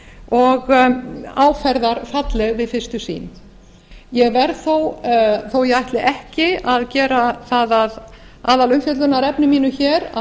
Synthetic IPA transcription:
ɔɣ | aːwfɛɾðaɾfat̪lɛɣvɪðfɪrst̪ʏsḭːn | jɛɣvɛɾθowθowjɛajht̪lɪʔɛhcɪaðcɛːɾaθaðað | aːðalʏmfjœt̪lʏnaɾɛpnɪmiːnʏçɛːɾa

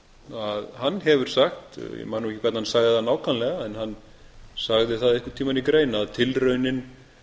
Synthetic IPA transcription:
aðhanːɦɛvʏɾ̥saxt̪jɛ̰maːnawɛcɪkʰvɛt̪nahansaɣðɪθanaːwkʰanlɛɣaɛnhanː | saɣðɪθaðɪhkʏɾt̪ʰiːmanikɾeːjnaaðt̪ʰɪlrœɥnɪn

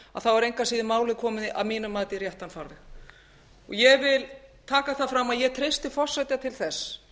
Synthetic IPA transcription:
a̰ðθawaɾejŋkasiːðɪmaːwlɪkʰɔːmɪna̰miːnʏmaːt̪ɪrjɛht̪anfawɾðɪx | ɔ̰ɣjɛɣvɪlt̪ʰaːkaθafɾamːaðjɛɣt̪ʰɾejst̪ɪfɔr̥sɛjt̪jat̪ʰɪlθɛsː

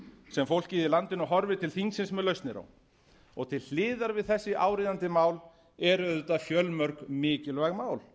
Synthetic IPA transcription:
sɛmfowl̥kcɪːðɪlant̪ɪnɔɦɔɾvɪt̪ʰɪlθiŋsɪnsmɛðlœɥst̪nɪɾa̰wn | ɔɣt̪ʰɪll̥ɪːðaɾvɪðθɛsːɪʔaːwɾiːðant̪ɪmaːwl | ɛɾʏʏt̪afjœlmœɾkmɪːcɪlvaɣmaːwl

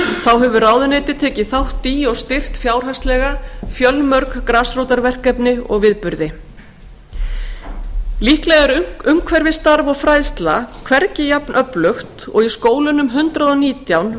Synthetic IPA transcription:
θawɦɛvʏraːwðʏnejt̪ɪt̪ʰɛːcɪθawht̪iɔɣst̪ɪr̥t̪fjaːwr̥ɦast̪lɛːɣafjœlmœɾkkɾaːsrowt̪aɾvɛr̥kɛpnɪɔ̰ɣvɪðpʏɾðɪ | lihklɛɣaɾʏmkʰvɛɾvɪst̪aɾvɔɣfɾajðst̪la̰kʰvɛɾcɪjapnʔœplʏxt̪ɔ̰ɣiskoːwlʏnʏmɦʏnt̪ɾaðɔniːt̪jawn

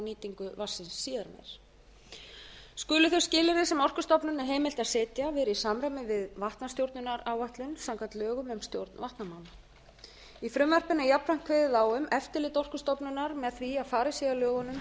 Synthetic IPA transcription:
niːt̪iŋkʏvasːɪnsːiːðaɾmɛ̰ɾ̥ | skʏːlʏθœscɪːlɪɾɪsɛmɔr̥kʏst̪ɔpnʏnɛɾ̥ɦeːjmɪlt̪aðsɛːt̪javɛːɾɪisaːmɾamɪvɪðvaht̪nast̪jowɾt̪nʏnaɾaːwvaht̪lʏnsawŋkat̪lœːɣʏmɛmst̪jowɾt̪nvaht̪namawn | ifɾʏmvɛr̥pɪnajapɾaŋ̥kʰvɛːðɪðaːwʏmɛft̪ɪlɪːt̪ɔr̥kʏst̪ɔpnʏnaɾmɛðθviaðfaːɾɪsiɣalœːɣɔnʏm

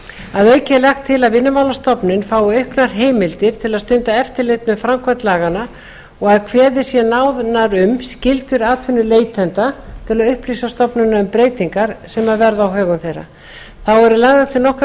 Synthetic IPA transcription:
aðœːɥcɪlɛxt̪ʰːɪlaðvɪnːʏmawlast̪ɔpnɪnfaːwʏœɥhknaɾ̥ɦeːjmɪlt̪ɪɾ̥t̪ʰɪlaðst̪ʏnt̪aɛft̪ɪɾlɪt̪mɛðfɾamkʰvɛnt̪laːɣana | ɔɣaðkʰvɛːðɪ̥sjɛnaːwðnaɾʏmscɪlt̪ʏɾaːt̪ʰvʏnːʏleːjt̪ʰɛnt̪at̪ʰɪlaðʏhpliːsast̪ɔpnʏnaʏmpɾeːjt̪iŋkaɾ̥sɛmaðvɛɾðaːwɦœːɣʏmθejɾa̰ | θawɛɾʏlaɣðat̪ʰɪnɔhk

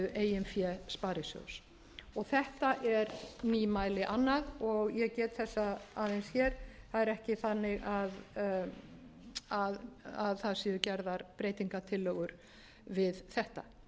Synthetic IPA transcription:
ʏʔeːjɪnfjɛspaːɾɪsjo̰ws | ɔɣθɛht̪aʔɛɾniːmaːjlɪʔanːaðɔɣjɛɣcɛːt̪θɛsːaaːðejnsçjɛɾ̥θaðɛɾɛhcɪθanːɪɣað | aðaðθaðsiːðʏcɛɾðaɾpɾeːjt̪iŋkat̪ʰɪlːœɣʏɾ | vɪðθɛht̪a̰

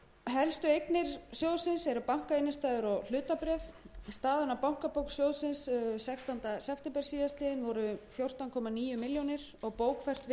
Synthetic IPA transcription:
ɦɛlst̪ʏejknɪɾ̥sjowðsɪnsɛɾʏpawŋ̥kaejnʏst̪aːjðʏɾɔɣl̥ʏːt̪apɾɛfst̪aːðɪnapawŋ̥kapowksjowðsɪnssɛkst̪ɔnt̪asɛft̪ɪmpɛɾ̥siːðast̪ɪːðɪnvɔɾʏfjowr̥t̪awnkʰɔmaniːjʏmɪljonɪɾ̥ɔɣpoːwkʰfɛr̥t̪v

